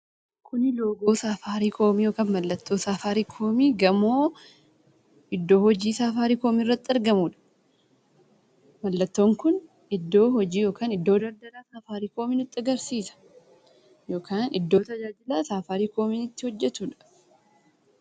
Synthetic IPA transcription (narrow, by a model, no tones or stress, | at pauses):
kʰʊnɪlo̞ːɡoːsaːfaːɾiːkʰo̞ːmiːjo̞ːkaːnmɐlːɐt̪ːo̞ːsaːfaːɾiːkʰo̞ːmiːɡɐmoː | ʔɪd̪ːo̞ːhɔd͡ʒiːsaːfaːɾiːkoːmirːɐt̪ːɪɾɡɐmuːᶑɐ̥ | mɐlːɐt̪ːo̞ːŋkʊn | ɪd̪ːo̞ːhɔd͡ʒiːjo̞ːkaːnɪd̪ːo̞ːd̪ɐɾd̪ɐlaːsaːfaːɾiːkoːmiːnʊt̪ʼːɐɡɐɾsiːsɐ̥ | jo̞ːkʰaːnɪd̪ːoːt̪ɐd͡ʒaːd͡ʒɪlaːsaːfaːɾiːkʰo̞ːminɪt̪ːɪhɔd͡ʒːɛt̪uːᶑɐ̥